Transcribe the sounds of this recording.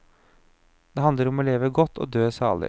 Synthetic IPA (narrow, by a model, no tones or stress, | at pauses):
d̪̥ɛːɦɑnd̪ləɾɔmoːleːʋəɡɔt̪ʰːo̰ːd̪øːsɑ̰ːɭɪ̰